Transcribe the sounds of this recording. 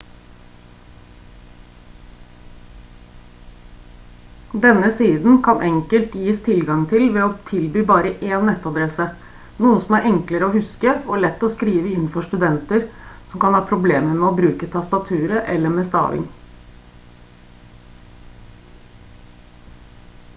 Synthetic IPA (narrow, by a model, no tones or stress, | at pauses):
d̪ɛnːəsiːd̪n̩kʰɑnʔɛŋkəlt̪jiːst̪ʰɪlɡɑŋt̪ʰɪlʋɛːoːt̪ʰɪlbyːbɑːɾəʔeːnːɛt̪ːɑd̪ɾɛsə | nuːəsɔmæɾʔɛŋkləɾəoːhʉskəɔɭɛt̪ːoːskɾiːʋəɪnːfɔʂt̪ʉd̪ɛnt̪əɾsɔmkɑnhɑːpʰɾʊbleːməɾmɛːoːbɾʉːkət̪ʰɑst̪ɑt̪ʰʉːɾəʔɛlːəmeːst̪ɑ̰ːʋɪ̰ŋ